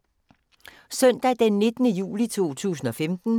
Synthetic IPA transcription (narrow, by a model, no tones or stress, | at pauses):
sœn̰d̥æd̥enːe̝d̥nəjṵːlit͡sʰo̝̰ːt͡sʰṵːsn̩ɒ̽femd̥n̩